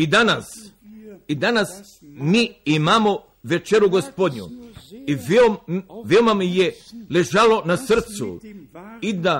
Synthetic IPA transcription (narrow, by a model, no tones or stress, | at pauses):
id̪anas | id̪anas | miːimamo | ʋe̞t͡ʃeɾuɡospod̪ɲṵi | ʋeomamijeleʒalo̞nasr̩t̪sṵ | id̪a